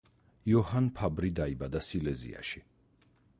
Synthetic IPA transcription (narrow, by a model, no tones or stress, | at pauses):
iɔhanpʰabɾid̪aibad̪asilɛzḭa̰ʃi